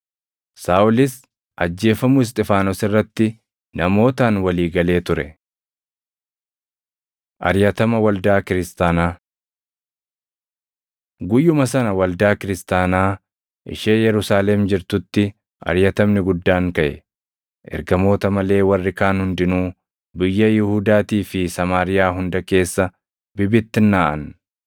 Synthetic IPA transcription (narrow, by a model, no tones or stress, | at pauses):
saːʔʊlɪs | ʔɐd͡ʒːe̞ːfɐmʊɪs̬t̪ʼɪfaːnɔsɪrːɐt̪ːɪ | nɐmo̞ːt̪aːnwɐliːɡɐle̞ːt̪ʊɾɛ | ʔɐ̰ɾjɐt̪ɐmɐwɐld̪aːkɪɾɪst̪aːnaː | ɡʊjːʊmɐsɐnɐwɐld̪aːkɪɾɪst̪aːnaː | ʔɪ̰ʃeːjɛɾʊsaːlɛmd͡ʒɪɾt̪ʊt̪ːɪ | ʔɐ̰ɾjɐt̪ɐmnɪɡʊd̪ːaːŋkɐʔɛ | ʔɛ̰ɾɡɐmo̞ːt̪ɐmɐle̞ːwɐrːɪkaːnhʊnd̪ɪnuː | bɪjːɐjɪhuːd̪aːt̪iːfɪsɐmaːɾɪjaːɦʊnd̪ɐke̞ːsːɐ | bɪbɪt̪ːɪnːaːʔɐn